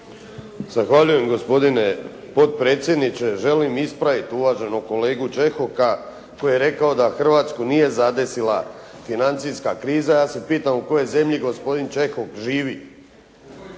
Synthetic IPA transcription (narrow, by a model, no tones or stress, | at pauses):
z̥axʋaʎuje̞mɡo̞spo̞d̪ine̞ | po̞t̪̚pɾe̞ːt̪sʲjed̪nit͡ʃe̞ʒe̞limispɾaʋit̪uʋaːʒe̞noko̞le̞ːɡut͡ʃe̞xo̞ka | ko̞jjeɾe̞kaod̪axr̩ʋaːt̪skunije̞zad̪e̞silˠa | finant̪siskakɾiːzajaːse̞piːt̪amuko̞je̞ze̞mʎiɡo̞spo̞d̪int͡ʃe̞xokʒiːʋi